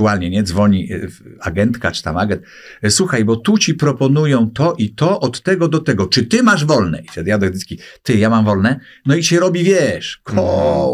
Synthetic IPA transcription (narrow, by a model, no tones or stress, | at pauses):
ualɲɛɲɛd̪zvɔɲia̰ɡɛnt̪kat͡ʂɘ̥t̪amaɡɛnt̪̚ | swuxajbɔt̪ut͡ɕipɾɔpɔnujɔ̃w̃t̪ɔʔit̪ɔʔɔt̪ːɛɡɔd̪ɔt̪ɛɡɔt͡ʂɘt̪ɘmaʐvɔlnɛ̰iɕɛd̪jad̪ɛɡzd̪ɘt̪kʲit̪ɘjamamvɔlnɛ | nɔit͡ɕɛɾɔbʲivʲjɛʂkʰɔ